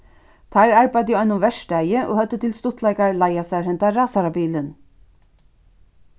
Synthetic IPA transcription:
t̪ʰæːɹæɹbæd̪iːɑnʊmʋɛʃɖæɪjəʔo̰ːhœd̪ət̪ʰɪlst̪ʊt̪ʰlɑɪɡɑɹlɑɪɑsæɹhɛnt̪ɑɾɑːsɑɾɑbiːlən

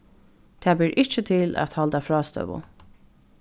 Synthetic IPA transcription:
t̪ʰɛːbɪɹʔɪht͡ʃət̪ʰɪlæ̰t̪halt̪afɹɑːst̪œ̰ʋʊ̰

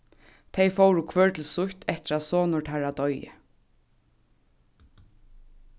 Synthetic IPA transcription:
t̪ʰejfowɹʊkʰvœːɹt̪ʰl̩sʊçt̪ʰɛht̪ɪɾasoːnʊɹʈʰaɾad̪ɔjɪ̰

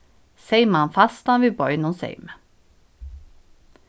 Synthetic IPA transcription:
seɪməɑnfɑst̪ɑnʋɪbɔʏnonsḛɪmə

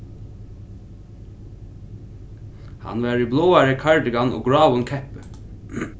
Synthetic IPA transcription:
hɑ̰nʋæːɹiːbloːæɹəkʰɑɹɖəɡɑno̰ːɡɹɑːʋʊnkʰɛpə

